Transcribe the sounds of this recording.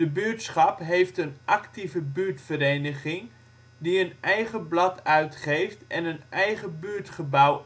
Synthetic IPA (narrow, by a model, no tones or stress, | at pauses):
dəbyːɹtsχɑpɦejftənʔaktivəbyɹtfəɾejnəχɪŋ | diənɛjχəblɑtœɥtχejftʔɛnənɛjχəbyːɹtχəbaw